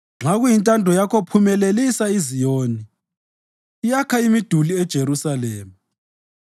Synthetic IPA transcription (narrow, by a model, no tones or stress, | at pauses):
ŋ͡ǁaɣujintʼandʱɔjakʰopʰumɛlelisaizijoːni | jakʰaimid̥ʱuliɛd̥ʒ̥ʱeɾusalɛːma